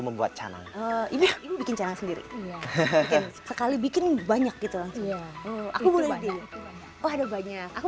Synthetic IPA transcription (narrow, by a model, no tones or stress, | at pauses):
məmbua̰t̪̚t͡ʃa̰na̰ŋəimiimibikɪnt͡ʃanaŋsəndiɾḭbikɪnsəkalibikɪnbaɲak̚ɡit̪ulaŋsʊŋəakubolɛidi | ɔadabaɲakaku